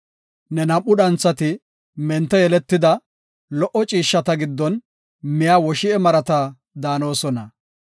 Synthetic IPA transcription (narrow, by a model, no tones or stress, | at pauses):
nɛnɐmʔːʊɗɐnt͡sːɐt̪ɪ | mɛnt̪ːɛjɛlɛt̪ːɪd̪ɐ | lɔʔɔt͡ʃʼiːʃːɐt̪ɐɡɪd̪ːɔn | mɪjaːwɔʃɪɛmɐɾɐt̪ɐ | d̪aːno̞ːsɔnɐ